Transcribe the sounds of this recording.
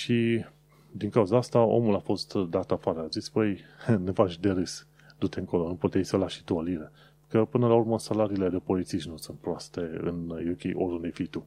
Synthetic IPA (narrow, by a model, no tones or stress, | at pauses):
ʃi | d̪iŋkauzaast̪ao̞̰mulafo̞st̪d̪at̪afaɾeazispəjnevat͡ʃʲd̪e̞ɾɨs | d̪ut̪e̞ɨŋko̞louput̪ejsəlaʃi̥t̪uoliɾe | kəpɨnəlaurməsalaɾiːle̞d̪e̞po̞lit̪siʃnusunt̪̚pɾoast̪e̞ɨ̰njukʲejʔoɾd̪und̪ejfijt̪u